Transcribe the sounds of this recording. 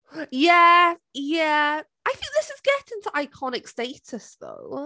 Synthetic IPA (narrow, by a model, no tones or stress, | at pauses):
jæjæ | ʔaɪθɪ̃ŋk̚ðɪsɨzɡɛɾɪ̃ntʰəʔaɪkʰɑnɨksteɪtɨsðo̰ʊ